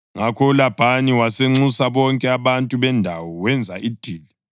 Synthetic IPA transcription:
ŋakʰɔulab̥ʱaniwaseŋ͡ǀusaβɔŋkʼɛaβantʼuβɛndʱawɔwɛnd͡zʱaʔid̥ʱiːli

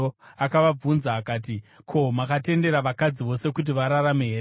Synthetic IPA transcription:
akaʋab͡vunzaːkaːt̬ikʰomakate̞nde̞ɾaʋakad͡ziʋo̞se̞kut̬iʋaɾaɾame̞ɦeɾ

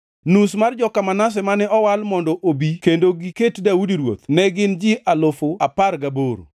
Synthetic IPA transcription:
nusmard͡ʒɔkamanas̬ɛmanɛɔwalmɔndɔʔobikendoɡiketdaudiɾwo̰t̪nɛɡɪnd͡ʒɪʔalofoaparɡaboɾo̰

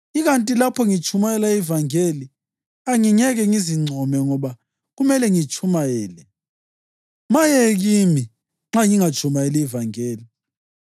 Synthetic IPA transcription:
iɣantʼilapʰɔŋit͡ʃʰumajɛlaivaŋeli | aŋiɲɛɣɛŋiziŋ͡ǀʱɔmɛŋɔβa | ɣumɛlɛŋit͡ʃʼʰumajɛːlɛ | majɛɣimi | ŋ͡ǁaŋiŋḁt͡ʃʰumajɛlɛivaŋeːli

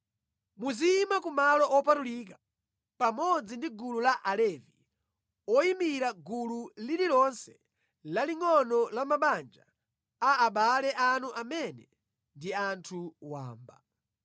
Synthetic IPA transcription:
muzimakumalɔʔɔpatuliːk̬a | pamɔd͡zindiɡululaʔalɛvi | ɔimiɾaɡululiɾiɾɔnsɛ̥ | laliŋɔnɔlamaɓand͡ʒa | aːɓalɛʔanuʔamɛnɛ | ndiantʰuwa̰ːmba

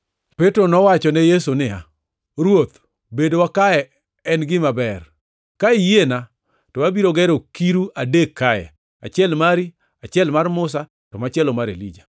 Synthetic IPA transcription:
petɾonɔwat͡ʃɔnɛjesunɪa̰ | ɾwot̪ | bedowakaɛ | ɛnɡɪmabɛr | kaijena | tɔwabiɾoɡɛɾokiɾuʔadekʰːajɛ̰ | a̰t͡ʃɪɛlmaɾi | at͡ʃɪɛlmarmʊs̬a | tɔmat͡ʃɛlomaɾḛlḭd͡ʒa

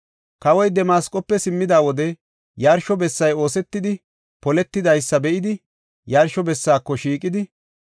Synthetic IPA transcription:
kɐwɔjd̪ɛmaːskʼːɔpːɛsɪmːɪd̪aːwɔd̪ɛ | jɐɾʃɔbɛsːɐjo̞ːsɛt̪ːɪd̪ɪ | pɔlɛt̪ːɪd̪ɐjsːɐbɛʔɪd̪ɪ | jɐɾʃɔbɛsːaːkːɔʃiːkʼɪd̪ɪ

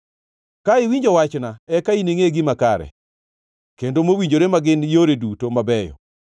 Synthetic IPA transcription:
kaɪwiɲd͡ʒɔwat͡ʃnaɛkaineŋeɡɪmakaɾɛ̰ | kendomowiɲd͡ʒoɾemaɡɪnjoɾedutomabɛjɔ̰

